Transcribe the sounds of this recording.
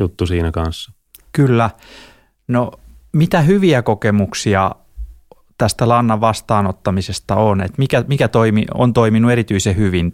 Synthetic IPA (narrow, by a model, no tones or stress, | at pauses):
jut̪ːusiːnækɑnsːɑ̥ | kylːæ | nomit̪æhyʋiækokemuksiɑ | t̪æst̪ælɑnːɑʋʋɑst̪ɑːnot̪ːɑmisest̪ɑonḛt̪mikæmikæt̪oimḭo̰nt̪oiminueɾit̪yisehyʋin